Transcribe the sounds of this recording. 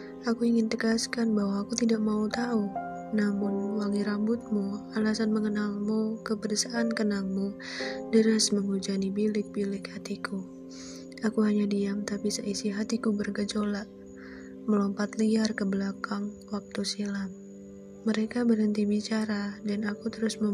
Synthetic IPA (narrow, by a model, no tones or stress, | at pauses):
ʔakuiŋɪnt̪əɡaskanbahwaːkut̪idaʔ̚maut̪au | namʊnwaŋiɾambʊt̪̚mualasanməŋənalmukəbəɾəsaʔːnkənalmu | dəɾasməŋud͡ʒanibilɪk̚bilɪkhat̪iku | akuɦaɲadiamt̪apisəisiɦat̪ikubərɡəd͡ʒolaʔ | məlɔmpat̪liarkəbəlakaŋwak̚t̪usilap | məɾekabəɾənt̪ibit͡ʃaɾadanakut̪əɾʊsmə